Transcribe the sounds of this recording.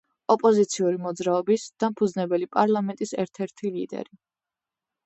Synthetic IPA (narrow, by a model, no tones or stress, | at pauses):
ɔpʼɔzit̪sʰiuɾimɔd̪zɾaɔbisd̪̥ampʰud̪znɛbɛlipʼaɾlˠamɛnt̪ʼisɛɾt̪ʰɛɾt̪ʰilḭd̪ɛ̰ɾi